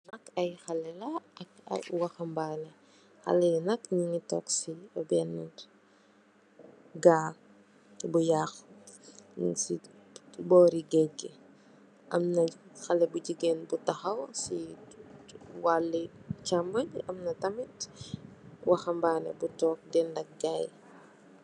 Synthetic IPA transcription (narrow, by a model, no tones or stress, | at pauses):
nɐkːɐjxɐlɛlɐɐkɐ̰wɐxɐmbanɛ | xɐ̰lɛnɐkɲiŋitɔksiɐbɛnːɐ̰t | ɡaːk̚ | bujaːx | si | bɔːɾiɡɛɡɛ | ʔɐmnɐxɐlɛbuɟiɡɛnbutɐxɐwsi | walːicambɐɲɐmnɐtɐmit | wɐxɐmbaːnɛ̰butɔːk̚dɛndɐk̚ɡaj